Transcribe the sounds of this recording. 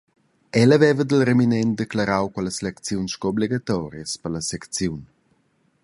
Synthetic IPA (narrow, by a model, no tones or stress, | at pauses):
ɛləvɛvəd̪əlɾeminɛn̚d̪eklaɾawkwɛləslɛkt͡sjunsʃkoobliɡat̪ɔɾjəspərləsɛkt͡sjun